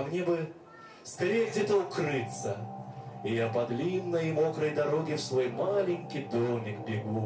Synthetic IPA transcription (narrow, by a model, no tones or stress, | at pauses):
mnʲebɨ | skɐɾʲeɡdʲet̪əʊkrɨt̪sə | ijapɐd̪lʲinːəjmo̞kɾəjd̪ɐɾo̞ɡʲɪfsvo̞jmalʲɪŋʲkʲɪjd̪omʲɪkbʲɪɡu